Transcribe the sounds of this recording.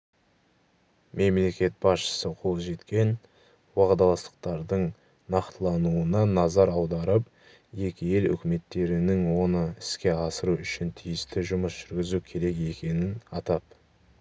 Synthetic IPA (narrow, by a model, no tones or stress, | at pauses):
mʔe̞mle̞kʲe̞t̪̚bɑsʃə̥səqʰo̞lˠʒe̞t̪kʲe̞n | wɑʁd̪ɑlˠɑst̪ə̥q̚t̪ɑɾd̪əɴ | nɑqt̪əlˠɑnuənɑnɑzɑɾɑwd̪ɑɾəp̚ | je̞kʲɪje̞lʏ̰kʲɪme̞t̪ːe̞ɾɪnɪŋwo̞nəɪskʲe̞ɑsəɾuʏʃɪnt̪ʰijɪst̪ɪʒʊməsʒ̥ʏɾɡʲɪzukʲʰe̞ɾe̞ke̞kʲe̞nɪnɑt̪ɑp̚